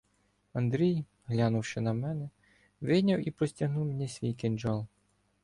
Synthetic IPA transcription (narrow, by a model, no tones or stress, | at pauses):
ɐnd̪ɾʲij | ɦlʲɑnʊwʃɛnɐmɛnɛ | ʋɪnʲɐwipɾɔsʲtʲɐɦnuwmenʲisʲʋʲijkenʲd͡ʒɑlˠ